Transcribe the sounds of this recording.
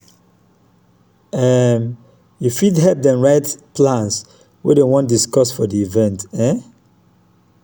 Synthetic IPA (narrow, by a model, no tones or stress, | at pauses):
ɛm | jufidɦɛp̚dɛ̃mɹaɪtplãns | wɛ̰dewɔ̃ndiskɔsfɔdiivɛ̃ntɛ̃